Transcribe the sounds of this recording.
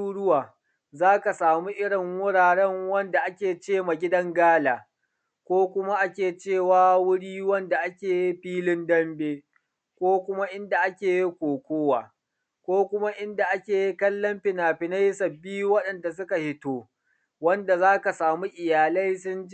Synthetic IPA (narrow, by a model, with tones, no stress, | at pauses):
u˦ɽʊ˦waː˨ | zaː˦ka˨saː˨mu˦ʔɪ˦ɽɪ˨ŋwʊ˦ɽaː˨ɽɛ˦ŋwɐ˦nda˨ʔa˦kʲeː˨t͡ʃeː˦ma˨ɡʲɪ˦dɐ˦ŋɡaː˦laː˨ | kʷoː˦kʷʊ˦ma˦ʔa˦kʲeː˨t͡ʃeː˦˨waː˨wʊ˦ɽiː˦wɐ˦nda˨ʔa˦kʲeː˨ji˦ɸiː˦lɪ˦ndɐ˦mbeː˦ | kʷoː˦kʷʊ˦ma˦ʔɪ˦nda˨ʔa˦kʲeː˨ji˦kʷoː˨kʷoː˦waː˨ | kʷoː˦kʷʊ˦ma˦ʔɪ˦nda˨ʔa˦kʲeː˨ji˦kɐ˦lːɐ˦mɸɪ˨naː˨ɸɪ˨na˦jsɐ˨bːiː˦wɐ˦ɗɐ˨nda˨s̬ʊ˦ka˨hɪ˦toː˦ | wɐ˦nda˨zaː˦ka˨saː˨mu˦ʔɪ˨jaː˨lɐ˦js̬ʊ˦n˦